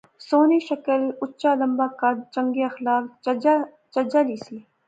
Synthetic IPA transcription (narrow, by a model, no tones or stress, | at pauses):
soːniːʃɐkəlʊtːt͡ʃalɐmbaːkat͡ʃɐŋɡiɐxlaːk̚ | t͡ʃɐd͡ʒaːliːsle